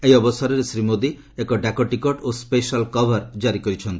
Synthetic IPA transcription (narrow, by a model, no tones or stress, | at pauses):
ejɔbɔsaɾɔɾesɾimod̪i | ekɔɖakɔʈikɔʈospeʃalkɔbʱaɾd͡ʒaɾikɔɾit͡ʃʰɔnt̪i